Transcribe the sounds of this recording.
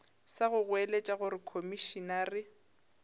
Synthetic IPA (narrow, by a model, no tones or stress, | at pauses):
saɣʊɣwelet͡ʃʼaɣʊɾɪkʰomiʃinarɪ